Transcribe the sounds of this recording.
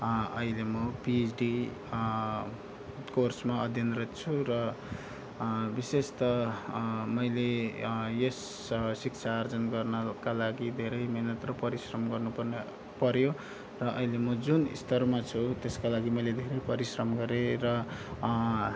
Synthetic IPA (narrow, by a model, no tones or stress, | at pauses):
ʌilemʌpid͡zɖi | korsmaʌd̪ʱjʌnret̪t͡sʰuɾʌ | bisest̪ʌ | mʌjlejes | sik̚t͡sʰaːrd͡zʌnɡʌrnʌkalaɡid̪ʱeɾʌjmenʌt̪rʌpʌɾisrʌmɡʌrnupʌrn | pʌɾjo | rʌʔʌ̰jlemʌd͡zunḭst̪ʰʌrmat͡sʰut̪eskalaɡimʌjled̪ʱeɾʌjpʌɾisrʌmɡʌɾeɾʌ